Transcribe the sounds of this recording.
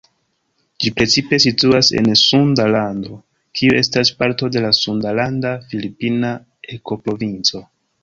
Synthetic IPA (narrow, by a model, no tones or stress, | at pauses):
d͡ʒipɾe̞t͡sipe̞situase̞̰nsundalando̞ | kʰiuʔe̞staspaɾto̞de̞lasundalandafilipina | e̞ko̞pɾo̞vint͡so̞